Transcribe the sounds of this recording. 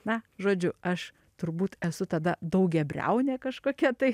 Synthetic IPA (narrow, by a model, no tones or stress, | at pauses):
nɐʒoːd͡ʒʲʊɐʃ | t̪ʊɾbuːt̪ɛsʊt̪ɐd̪ɐd̪ɐʊk̚ɡʲɛbʲrʲɛ̰ʊnʲeːkɐʃkoːkʲɛt̪ɐɪ